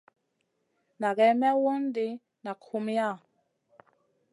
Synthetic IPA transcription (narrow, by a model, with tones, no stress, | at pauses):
na˨ɡɛ˨˦mɛ˦wo˦n˦de˦ | na˨kʰu˦m˦a˦˨